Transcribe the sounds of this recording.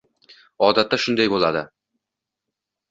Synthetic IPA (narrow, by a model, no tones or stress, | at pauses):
ɒd̪at̪ːaʃʊnd̪ajbolˠɑd̪ə